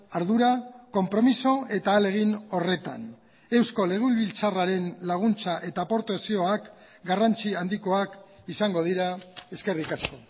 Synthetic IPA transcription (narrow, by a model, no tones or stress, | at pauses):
aɾðuɾako̞mpɾo̞miso̞e̞t̪aːle̞ɣ̞ino̞re̞t̪a̰n | e̞wsko̞le̞ɣ̞ulβilt͡saraɾe̞nlaɣ̞unt͡saʔe̞t̪apo̞ɾt̪esio̞ak | ɡarant͡siand̪iko̞ak | isaŋɡo̞ðiɾae̞ske̞rikasko̞